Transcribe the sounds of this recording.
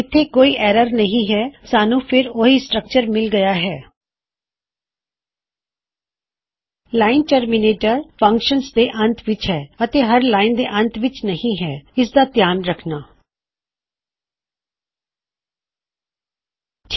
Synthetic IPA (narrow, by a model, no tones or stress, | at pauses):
ɪt̪ʰːeːkoːiːʔɛːɾəɾnəɦĩːɦɛːsaːnũːpʰɪɾoɦiːsʈɾək̚t͡ʃəɾmɪlɡəjaːɦɛː | laːɪnʈəɾmɪneːʈəɾpʰə̃ŋkʃənsd̪eːʔə̃nt̪ʰʋɪt͡ʃɦɛːət̪eːɦəɾlaːɪnd̪eːʔə̃nt̪ʰʋɪt͡ʃnəɦĩːɦɛːɪsd̪aːt̪ɪjaːnɾəkʰnaː